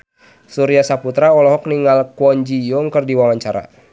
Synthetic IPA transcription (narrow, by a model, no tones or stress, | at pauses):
suɾiasaput̪ɾaɔlɔɦɔk̚niŋalkwɔɲd͡ʒijɔŋkɨrdiwawaɲt͡ʃaɾa̰